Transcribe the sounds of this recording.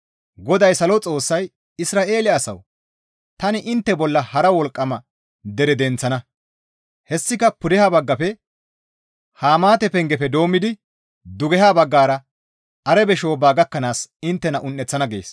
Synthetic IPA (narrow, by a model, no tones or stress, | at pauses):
ɡɔd̪ɐjsɐlɔt͡sʼo̞ːsːɐj | ɪsɾaːʔe̞ːlɪɐːsɐ̰w | t̪ɐnɪʔɪnt̪ːɛbɔlːɐhɐɾɐwɔlkʼːɐmɐ | d̪ɛɾɛd̪ɛnt͡sːɐnɐ | hɛsːɪkɐpʊd̪ɛhaːbɐɡːɐpɛ | haːmaːt̪ɛpɛŋɡɛpɛd̪o̞ːmːɪd̪ɪ | d̪ʊɡɛɦaːbɐɡːaːɾɐ | ɐɾɛbɛʃo̞ːbaːɡɐkːɐnaːsɪnt̪ːɛnɐʔʊnːɛt͡sːɐnɐɡe̞̰ːs